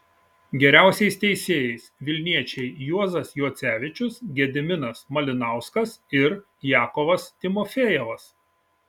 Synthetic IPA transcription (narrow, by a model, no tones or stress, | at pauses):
ɡʲɛɾʲæˑʊsʲɛɪst̪ʲɛɪsʲeːjɛɪsʋʲɪlʲnʲiɛt͡ʃʲɛɪjuɔzɐsjuɔt̪sʲæːʋʲɪt͡ʃʲʊsɡʲɛd̪ʲɪmʲɪnɐsmɐlʲɪnɑˑʊskɐsɪɾ | jæːkɔʋɐst̪ʲɪmɔfʲejɛʋɐs